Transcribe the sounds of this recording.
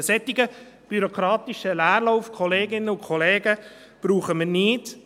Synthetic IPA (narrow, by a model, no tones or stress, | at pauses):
sɛt̪ːiɡə | b̥yɾɔkʰɾɑːt̪ɪʃəlæːrlɔʊfkʰɔleːɡɪnːəʊnkʰɔleːɡə | b̥ɾuːχəməniːt